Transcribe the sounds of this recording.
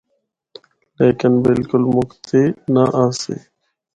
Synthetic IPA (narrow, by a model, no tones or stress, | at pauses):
leːkɪnbɪlkʊlmʊkt̪ʰeːnaʔaːsḛː